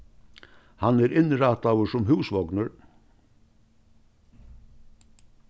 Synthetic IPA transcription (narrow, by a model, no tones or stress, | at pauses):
hɑneːɾɪnɾɑt̪ɑʋəʂʊmhʉːsʋɔɡnəɾ